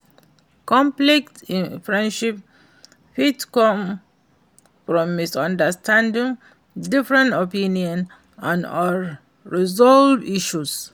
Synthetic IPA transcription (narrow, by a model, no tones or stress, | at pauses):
kɔ̃mplɛktĩfɹɛ̃nʃip̚ | hitkɔ̃m | fɹɔ̃mːisɔ̃ndəstʰãndĩŋ | difɹɛ̃ntopĩniɔ̃n | ãnɔ | ɹizɔlviʃus